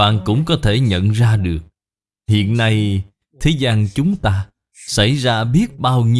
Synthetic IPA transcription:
a̰ː˧˨nkʊ̰˧˥ŋ͡mkɔ˨˦t̪ʰe˧˩ɲə̰˧˨nzaː˧ɗɨ˨˩ək̚ | hḭ˧˨ənːa˧j | t̪ʰe˨˦zaː˧ŋt͡ɕʊ˨˦ŋ͡mt̪aː˧ | sa˧˩jzaː˧ɓi˦˥ət̚ɓaː˧wɲi˧

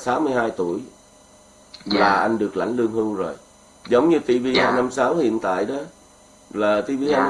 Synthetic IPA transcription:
saː˨˦wmɨ˧əjhaː˧jt̪u˧˩əj | laː˨˩ʔa˧jŋɗɨ˨˩ək̚la̰˧˩jŋ̟lɨ˧əŋhɨ˧wzo˨˩j | zə˨˦wŋ͡mɲɨ˧t̪i˧vi˧a˨˩na˧msaː˨˦whḭ˧˨ənt̪a̰ː˧˨jɗɔ˨˦ | laː˨˩t̪i˧vi˧ʔa˧

